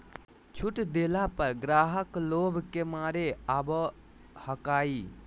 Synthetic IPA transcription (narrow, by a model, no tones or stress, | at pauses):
t͡ʃʰuʈd̪eːlapəɾɡɾaːɦəkloːbʱkemaːɾeabə | həkaːi